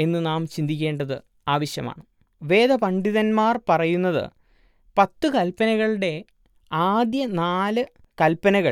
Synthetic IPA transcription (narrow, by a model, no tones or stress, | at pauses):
e̞nːɨnaːmt͡ɕind̪ikʲːe̞ːɳɖɐðɨ | aːʋɐɕjɐma̰ːɳɨ | ʋe̞ːd̪ɐpɐɳɖiðɐnmaːrpɐrɐjunːɐðɨ̰ | pɐt̪ːɨkɐlpɐnɐɣɐɭɨɽe̞ | aːd̪jɐnaːlɨ | kɐlpɐnɐɣɐ